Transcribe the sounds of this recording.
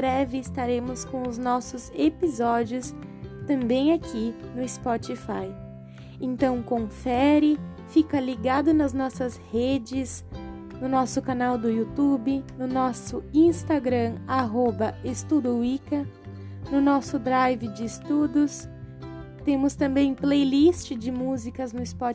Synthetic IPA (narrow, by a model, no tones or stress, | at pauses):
bɾɛvɪɪst̪aɾẽmʊskõw̃ʊznɔsʊzepizɔd͡ʒiʊs | t̪ɐ̃mbẽj̃akʰinʊɪspɔt͡ʃifaj | ẽnt̪ɐ̃w̃kõfɛɾɪ | fikɐliɡad̪ʊnɐznɔsɐzhed͡ʒɪs | nʊnɔsʊkanawd̪ʊjut̪ubɪnʊnɔsʊĩst̪aɡɾɐ̃aɦobɐest̪ud̪ʊikɐ | nʊnɔsʊd̪ɾajvɪd͡ʒɪːst̪ud̪ʊs | t̪ẽmʊst̪ɐ̃mbẽj̃plejlist͡ʃɪd͡ʒɪmuzikɐznʊɪspɔ